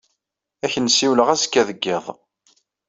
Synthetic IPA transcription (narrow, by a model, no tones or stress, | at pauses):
æçənsiwləʁæskːæðəɡːɪðˤ